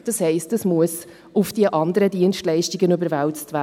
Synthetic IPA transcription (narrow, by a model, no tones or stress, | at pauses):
d̥ɑshɛɪstəsmuəs | ʊfd̥iəʔɑnd̪əɾədiənʃtlɛɪʃtiɡənybəɾvæwt͡stvæː